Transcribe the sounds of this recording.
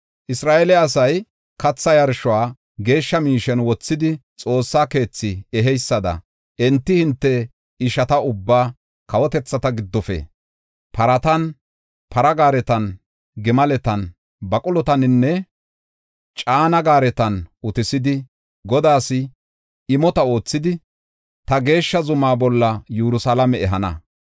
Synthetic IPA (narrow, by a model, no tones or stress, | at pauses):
ʔɪsɾaːʔɛlɛɐsɐj | kɐt͡sːɐjɐɾʃɔwaː | ɡe̞ːʃːɐmiːʃɛnwɔt͡sːɪd̪ɪt͡sʼo̞ːsːaːke̞ːt͡sːɪɛɦɛjsːɐd̪ɐ̰ | ʔɛnt̪ːɪhɪnt̪ːɛ | ɪʃɐt̪ɐʊbːaː | kɐwɔt̪ɛt͡sːɐt̪ɐɡɪd̪ːɔfɛ̰ | pɐɾɐt̪ɐn | pʰɐɾɐɡaːɾɛt̪ɐn | ɡɪmɐlɛt̪ɐn | bɐkʼʊlɔt̪ɐnɪnːɛ | t͡ʃʼaːnɐɡaːɾɛt̪ɐnʔʊt̪ɪsɪd̪ɪ | ɡɔd̪aːsɪ | ɪmɔt̪ɐo̞ːt͡sːɪd̪ɪ | t̪ɐɡe̞ːʃːɐzʊmaːbɔlːɐjuɾʊsalɐmɛɛɦɐnɐ̰